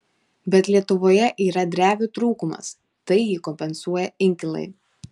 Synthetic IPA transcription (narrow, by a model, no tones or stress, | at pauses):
bʲɛt̪lʲiɛt̪ʊʋoːjɛʔiːɾɐd̪ʲɾʲæːʋʲut̪ɾuːkʊmɐ̰s | t̪ɐɪjiːkɔmʲpʲɛnsuɔjɛɪŋʲkʲɪlˠɐ̰ɪ